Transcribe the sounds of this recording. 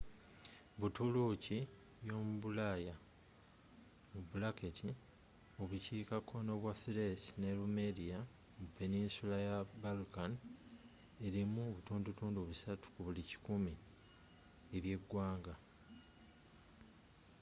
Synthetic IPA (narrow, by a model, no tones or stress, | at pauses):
βutuluci | jo̞ːmuβulaja | mubulaketʰi | oβuciːkakʰo̞no̞βwafiɾesine̞lume̞dia | mupe̞ninsulajabalkan | e̞ɾimuoβutuːndutuːnduβusatu̥kuβulici̥kumi | eβje̞ɡwaːŋɡa